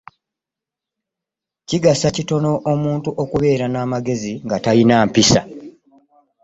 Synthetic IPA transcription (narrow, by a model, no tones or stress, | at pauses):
ciɡasacito̞no̞ʔomuːntuʔo̞kuβe̞ːɾanaːmaɡe̞ziŋɡatajinaːmpisa